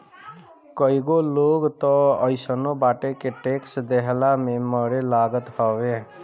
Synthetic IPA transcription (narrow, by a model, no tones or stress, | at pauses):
kəiɡoloɡt̪ɔəɪsənobaːʈekeʈeksd̪eɦlameməɾelaɡət̪hɔʋe